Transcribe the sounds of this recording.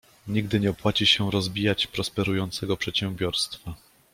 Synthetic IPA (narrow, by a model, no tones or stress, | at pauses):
ɲiɡd̪ɘɲɛɔpwat͡ɕiɕɛɾɔzbʲijat͡ɕpɾɔspɛɾujɔnt̪sɛɡɔpʂɛt̪ɕɛ̃mbʲjɔɾst̪fa